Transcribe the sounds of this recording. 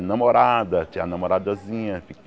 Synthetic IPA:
namoɾad̪ɐt͡ʃĩɲanamoɾad̪azĩɲɐfik

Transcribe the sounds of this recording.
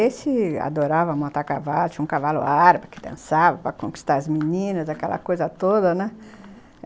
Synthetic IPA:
esɪa̰d̪oɾavɐmõnt̪aɾkavalʊt͡ʃĩũkavalʊ̰aɾbɐkɪ̥d̪ḛ̃nsavɐpɾɐkõki̥st̪aɾɐzminĩnɐzakɛlɐ̰kojzɐt̪od̪ɐnɛ

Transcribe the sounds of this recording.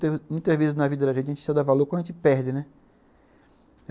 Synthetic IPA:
mũj̃t̪ɐzvezɪsznɐvid̪ɐd̪ɐʒẽt̪ɐeẽt͡ʃɪst̪ad̪avaloɾkõnd̪ʒẽt͡ʃɪpɛɾd͡ʒɪnɛ

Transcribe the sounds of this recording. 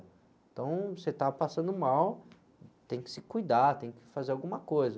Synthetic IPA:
ẽt̪ɐ̃w̃set̪apasɐ̃nd̪ʊmaw | t̪ẽj̃kɪ̥sɪkujd̪at̪ẽj̃kɪ̥fazeɾawɡũmɐkojzɐ

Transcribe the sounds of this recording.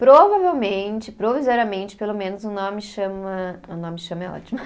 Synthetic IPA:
pɾovavewmẽt͡ʃɪpɾovizɔɾiɐmẽnt͡ʃɪ̥pelomẽnʊzʊnõmɪʃɐ̃mɐʊnõmɪʃɐ̃mɐɛɔ̰t͡ʃimɐ

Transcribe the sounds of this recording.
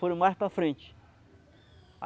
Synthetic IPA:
foɾɐ̃majspɾɐfɾẽnt͡ʃɪ̥ | a̰

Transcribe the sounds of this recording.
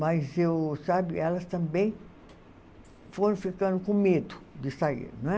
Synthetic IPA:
mɐzewsabɪɛlɐst̪ɐ̃mbẽj̃ | foɾ̃fikɐ̃nd̪ʊkõmed̪ʊ̥d̪ɪsaḭɾnɐ̃ɛ

